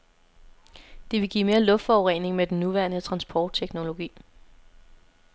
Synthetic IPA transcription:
d̥e̝ʋe̝ɡ̥ḭːme̝ːɐlɔ̽fd̥fɒʊʁene̝ŋmed̥en̩ːuʋæɐnət͡sʰʁɑ̈nsb̥ʰɒːd̥̚t͡sʰeɡ̥no̝lo̝ɡ̥ḭː

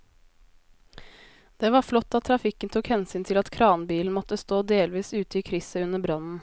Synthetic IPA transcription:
d̪̥eːʋɑːɾflɔt̪ːɑt̪ʰːɾɑfɪkːənt̪ʰuːkhɛnsyːnt̪ʰɪlɑt̪kʰɾɑːnbiːln̩mɔt̪ːəst̪oːd̪eːlʋiːsʉːt̪əiːkʰɾɪsəʉnəbɾɑnn̩

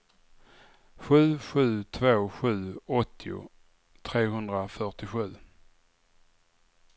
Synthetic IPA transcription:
ɧʉ̟ːɧʉ̟ːt̪ʰvoːɧʉ̟ːɔt̪ʰːɪʊ̰ | t̪ʰɾeːɦɵnd̪ɾafœʈɪɧʉ̟ː

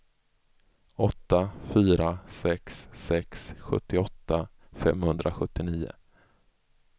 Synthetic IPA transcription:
ɔt̪ːafyːɾasɛksːɛksɧɵ̰t̪ːɪɔt̪ːa | fɛmhɵnd̪ɾʔaɧɵt̪ːɪniːʊ̰

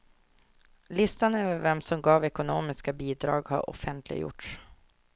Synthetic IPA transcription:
lɪst̪anɛvəvɛmsɔmɡɑːvɛkʊnoːmɪskabiːd̪ɾɑ̰ːɡha̰ɾʔɔ̰fɛnt̪ʰlɪ̰jʊ̰ʈʂ

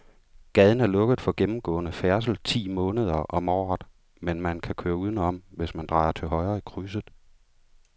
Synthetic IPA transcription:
ɡ̥ɛð̞ˠn̩æɐlɔ̽ɡ̥əð̞̩ˠfɒ̽ɡ̥emm̩ɡ̥ɔ̰̽ːnəfæɐs̬l̩t͡sʰḭːmɔ̽ːnəð̞ˠɐʔɒ̽mɒ̰ːd̥ˠ | menmænkʰækʰøːɐuð̞ˠn̩ɒ̽m̰ʋe̝smænd̥ʁɑ̈ːɪɐt͡sʰe̝lɦɒ̽ɪʁɐːikʰʁys̬əð̩ˠ

